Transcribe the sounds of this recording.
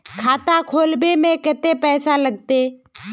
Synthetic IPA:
kʰaːt̪akʰoːlbemẽkɪt̪epɛːsaləɡ̚t̪e

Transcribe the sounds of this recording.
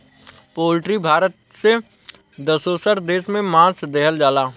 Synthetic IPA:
poːlɪʈɾibʱaːɾət̪̚sed̪əsoːsəɾd̪eːʃmẽmãːsd̪eɦəld͡ʒaːlaː

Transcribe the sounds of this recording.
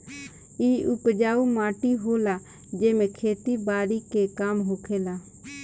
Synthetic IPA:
iːʊpd͡ʒaːumaːʈiɦoːlaː | d͡ʒeːmẽkʰeːt̪ibaːɾikekaːmɦoːkʰeːlaː

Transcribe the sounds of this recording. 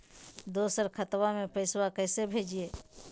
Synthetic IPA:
d̪oːsəɾkʰət̪wamepəɪswakəɪsebʱeːd͡ʒie

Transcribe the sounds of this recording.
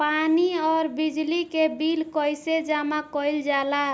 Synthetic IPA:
paniɔːɾbid͡ʒlikebilkɔjsed͡ʒamakɔjld͡ʒala

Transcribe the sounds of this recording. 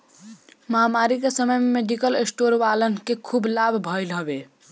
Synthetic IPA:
məɦamaɾikesəməjmemeɖikəlesʈoɾʋalənkekʰublabʱbʱʌjlɦəbe

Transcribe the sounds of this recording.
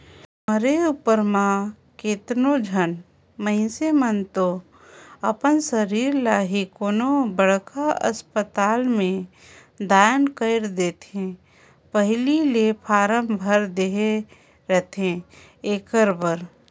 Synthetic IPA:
məɾeupəɾmã | keːt̪nod͡ʒʱən | məɦɪ̃semənt̪o | əpənsəɾiːɾlaːɦikonobəɽ̤kʰaə̰spət̪aːlmẽ | d̪aːnkəɪɾd̪eːt̪ẽ | pəɦlilepʰaːɾəmbʱəɾd̪eɦe | ɾɛt̪ʰẽ | eːkəɾbəɾ

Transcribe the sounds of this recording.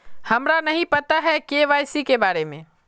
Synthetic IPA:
hɐmɾanɐɦĩpɐt̪aɦɛkeʋaːjsikebaːɾemẽː

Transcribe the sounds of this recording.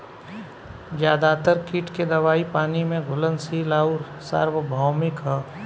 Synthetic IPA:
d͡ʒjaːd̪at̪əɾkiːʈked̪ɐʋaːipaːnimẽɡʱʊlənsilaːuɾ | sa̰ːɾʋəbʱaːmɪkɦɛː

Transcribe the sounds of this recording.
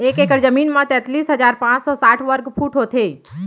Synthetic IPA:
eːkekəɾd͡ʒəmiːnmãt̪ɛ̃t̪liːsɦəd͡ʒaːɾpãːt͡ʃsɔːsaːʈʰʋəɾɡpʰuːʈɦoːt̪ʰe

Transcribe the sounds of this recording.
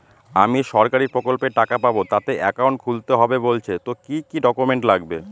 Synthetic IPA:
a̰miʃɔɾkaɾiɾpɾokolpeʈakapabot̪at̪eʔɛkawɳʈ̚kʰult̪eɦɔbebolt͡ɕʰet̪okikiɖɔkumeɳʈlaɡbe

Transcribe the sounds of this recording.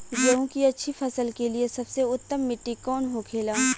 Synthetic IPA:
d͡ʒɐõkiɐtːʃʰifʰɐsəlkeliesɐbseʊt̪ːəmːɪʈːikɔːnɦokʰeːlaː

